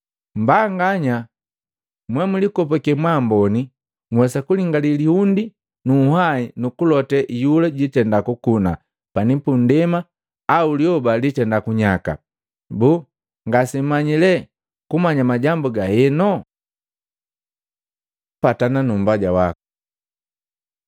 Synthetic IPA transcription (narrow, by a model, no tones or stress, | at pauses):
mbaŋɡaɲa | mwɛmulikɔpɔkɛmwambɔni | ŋwɛsakuliŋɡalilihundi | nuːhainukulɔtɛʔijulɛɟitɛndakukuna | panipundɛma | auljɔbalitɛndakuɲaka̰ | buː | ŋɡasim̩mːaɲilɛ | kumaɲamaɟambuɡahɛnɔ | patananumbaɟawaku̥